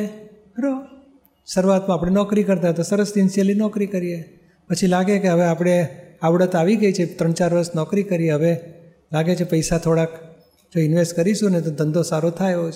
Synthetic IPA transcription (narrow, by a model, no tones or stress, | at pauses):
e | ɾo | səɾʋat̪mãapɽ̃enɔkɾikəɾt̪aət̪asəɾəsinselinɔkɾikəɾije | pət͡ʃʰilaɡekeɦəʋeapɽ̃eaʋɽət̪aʋiɡəit͡ʃʰet̪ɾəɳt͡ʃaɾʋəɾəsnɔkɾikəɾijeɦəʋe | laɡet͡ʃʰepəjsat̪ʰoɽak | d͡ʒoɪnʋesʈkəɾiʃũnet̪od̪ʱə̃nd̪ʱosaɾot̪ʰajot͡ʃʰ